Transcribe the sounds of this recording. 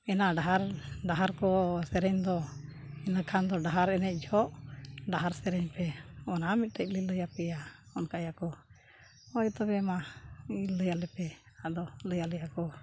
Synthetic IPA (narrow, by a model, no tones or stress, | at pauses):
ɛnaɖaɦaɾɖaɦaɾkɔsɛɾɛɲd̪ɔ | ɛnakʰand̪ɔɖaɦaɾɛnɛc̚ˀd͡ʒʱɔʔɖaɦaɾsɛɾɛɲpɛɔnamic̪̚ʈəc̚lələjapɛjaɔnkajakɔ | ɔjt̪ɔbɛmailːəjalɛpɛ | ad̪ɔləjalɛjakɔ